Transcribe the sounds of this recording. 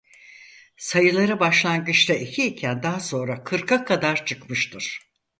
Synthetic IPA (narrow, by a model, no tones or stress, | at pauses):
sajɯlˠaɾɯbaʃlˠanɡɯt͡ʃt̪aicʰiːcʰænd̪aɦso̞nɾakʰɯɾkʰakʰad̪aɾt͡ʃʰɯkmɯʃt̪ʰɯɾ̥